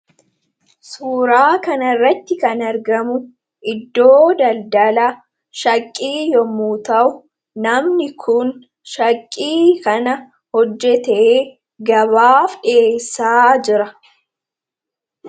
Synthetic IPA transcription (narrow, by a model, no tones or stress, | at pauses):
suːɾaːkɐnɐrːɐt̪ːɪkɐnɐɾɡɐmʊ | ʔɪd̪ːo̞ːd̪ɐld̪ɐlɐ | ʃɐkʼːiːjɔmːuːt̪ɐʔʊ | nɐmnɪkʰʊn | ʃɐkʼːiːkɐnɐ | hɔd͡ʒːɛt̪eː | ɡɐβaːfᶑeːsːaːd͡ʒɪɾɐ